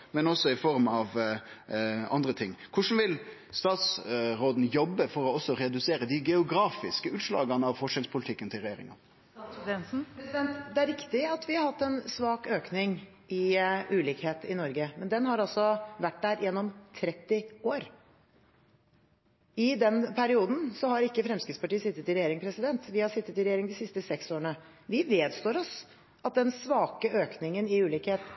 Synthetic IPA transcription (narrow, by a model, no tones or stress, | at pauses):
mɛnɔsːɔɪfɔɾmɑʋ | ɑ̰nd̪ɾət̪ʰɪŋːkʰʊʂn̩ʋɪl | st̪ɑːt̪sɾoːd̪n̩jɔbːəfɔɾɔɔsːɔɾɛd̪ʉseːɾəd̪ɪɡɛʊɡɾɑːfɪskəʉːt̪ʂlɑ̰ːɡɑnəɑʋfɔʂənspʰʊlɪt̪ʰɪkːənt̪ʰɪlɾɛjeːɾɪ̰ŋɑ̰n | ɛns̩pd̪ɛnt̪d̪ɛæɾɪkt̪ɪɑt̪ʋɪhɑɾhɑt̪ːɛnsʋɑːkøːknɪŋ | ʔɪʉːlɪːkheːt̪ɪnɔɾɡəmɛnd̪ɛnɦɑɾɑlsɔʋæʈːd̪æɾjʔɛnːɔmt̪ʰɾɛt̪ːɪoːɾ | ɪd̪ɛnpʰæɾɪuːd̪n̩sɔhɑɾɪkːəfɾɛmskɾɪt̪spɑʈiːəsɪt̪ːət̪ɪɾɛjeːɾɪŋpʰɾɛsɪd̪ɛnt̪ʋɪhɑʂɪt̪ːət̪ɪlɾɛjeːɾɪŋd̪ɪsɪst̪əsɛksoːɾəɳə | ʋɪʋeːd̪st̪oːɾɔs | ʔɑt̪̚d̪ɛnsʋɑːkəøːknɪŋənɪʉːlɪːkheːt̪